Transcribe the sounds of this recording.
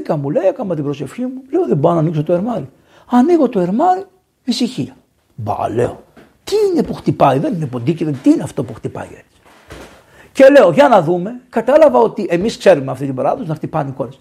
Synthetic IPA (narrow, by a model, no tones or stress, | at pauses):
kɐmule̞ekɐmɐt̪ibɾo̞se̞fçimule̞oðebɾonɐnikso̞t̪oe̞ɾmɐɾi | ɐniɣo̞t̪o̞e̞ɾmɐɾi | misiçiɐ | bɐ̰le̞̰o̞ | t̪iine̞puxt̪ipɐiðe̞nine̞po̞nd̪iciðet̪iineɐft̪o̞puxt̪ipɐ̰ḭe̞̰t͡si̥ | ce̞le̞oʝɐnɐðume̞kɐt̪ɐlɐvɐo̞t̪iʔe̞miskse̞ɾumeɐft̪it̪ibɐɾɐðosinɐxt̪ipɐniko̞ɾis